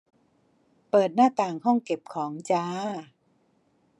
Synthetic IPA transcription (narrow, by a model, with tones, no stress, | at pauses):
pɤː˨˩t̪̚naː˥˩t̪aː˨˩ŋhɔ˥˩ŋke˨˩p̚kʰɔː˩˦ŋt͡ɕaː˧˦˥